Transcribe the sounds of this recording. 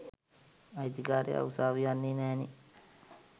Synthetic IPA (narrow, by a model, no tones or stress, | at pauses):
ajd̪ikaːɾḛa̰usaːʋijanːinɛːni